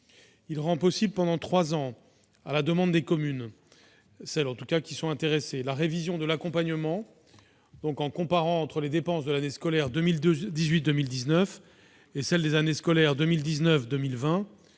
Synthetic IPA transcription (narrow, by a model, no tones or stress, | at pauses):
ilʁɑ̃pɔsibləpɑ̃d̪ɑ̃t̪χwazɑ̃ | a̰lad̪əmɑ̃d̪ːekɔmyn | sɛlɑ̃t̪ukakʲisɔ̃ɛ̃t̪eʁeselaʁevizjɔ̃d̪əlakɔ̃paɲəmɑ̃ | d̪̥ɔ̃kɑ̃kɔ̃paʁɑ̃ːt̪χəled̪epɑ̃sd̪əlaneskɔlɛʁd̪mld̪izɥit̪̚d̪əmild̪iznœf | esɛld̪ezaneskɔlɛʁd̪əmild̪iznœfd̪əmilvɛ̃